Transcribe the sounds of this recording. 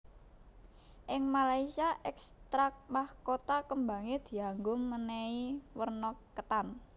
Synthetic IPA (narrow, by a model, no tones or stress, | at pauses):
ʔɪŋmalaisiaʔɛkst̪ɾamahkot̪akəmba̤ŋed̪̥i̤aŋɡʊmːənɛiwərnɔkːət̪an